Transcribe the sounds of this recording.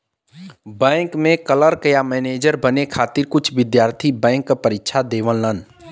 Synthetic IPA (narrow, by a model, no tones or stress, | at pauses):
bɛ̃ːŋkmẽkələɾkəjamɛːneːd͡ʒəɾbənekʰaːt̪ɪɾkʊt͡ʃʰʋɪd̪jaːɾt̪ʰibɛ̃ːŋkːapəɾɪkːʃʰad̪eːʋəlnən